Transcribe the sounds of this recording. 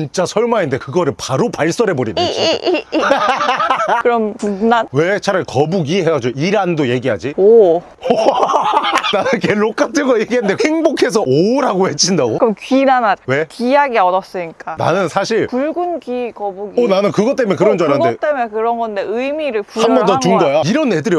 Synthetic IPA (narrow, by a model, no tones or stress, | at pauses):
int͡ɕ͈asʰʌɭmainnde̞kɯɡʌɾɯɭpaɾopaɭs͈ʌɾe̞bʌɾin | kɯɾʌmpuknanwe̞t͡ɕʰaɾakʌbuɡiɦeɡad͡ʑoiɾandoje̞ɡiɦad͡ʑio | nanɯnkeɭːok͈atʰɯɡʌje̞ɡiɦandeheŋbokʰe̞sʰʌoɾaɡohe̞t͡ɕ͈ʰindaɡokɯɯmkinanawe̞kijaɡiʌdʌs͈ɯɲik͈ana̰nɯnsʰaɕʰiɭpuɭɡɯnɡikʌbuɡionanɯnkɯɡʌt͈emekɯɾʌnd͡ʑʌandet͈emʌkɯɾʌnɡʌnde̞ɯjmiɾɯɭpuhambʌndʌt͡ɕumɡʌjaiɾʌnːe̞dɯɾjʌ